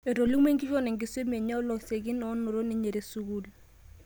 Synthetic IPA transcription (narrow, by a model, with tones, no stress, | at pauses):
e˨ɾo˨li˦me˦ŋɡɪ˦fɔ˦nɛ˨ŋɡɪ˨˦swe˦me˨ɲɔ˦lɔ˨se˨ɡɪ˦nɔ˨˦nʊ˨ɾo˦ni˨˦ɲe˨ɾe˨su˦ɡu˦l